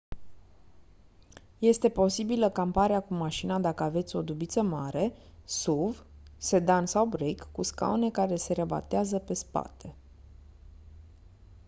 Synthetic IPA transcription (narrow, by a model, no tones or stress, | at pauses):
je̞st̪e̞po̞sibiləkampaɾeakumaʃinad̪akəave̞t̪sʲo̞d̪ubit̪səmaɾe̞ | suvse̞d̪ansawbɾekːuska̰one̞kaɾe̞se̞ɾeba̰t̪eazəpe̞spa̰t̪ʰe̞